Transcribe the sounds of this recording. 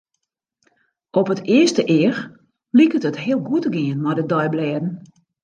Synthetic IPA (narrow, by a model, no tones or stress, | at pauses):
ʔɔpətɪəstəʔɪər | likətətɦɪəlˠɡuətəɡɪənmɔjdədɔjblɛədn̩